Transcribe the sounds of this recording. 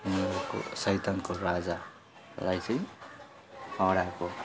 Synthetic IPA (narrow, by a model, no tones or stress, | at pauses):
umeɾoko̰sʌjt̪ankoɾad͡za | lajt͡sʌ̃j̃ | ʌɽako